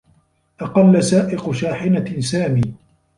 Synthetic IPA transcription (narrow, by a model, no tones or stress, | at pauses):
ʔɑqɑlːasaːʔɪqʊʃaːħɪnasaːmiː